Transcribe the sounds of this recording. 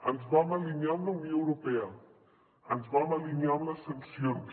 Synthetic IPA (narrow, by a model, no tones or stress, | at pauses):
ənzβamɐliɲjamlɐunjoəwɾupeə | ənzβamaliɲjamləsɐnsjon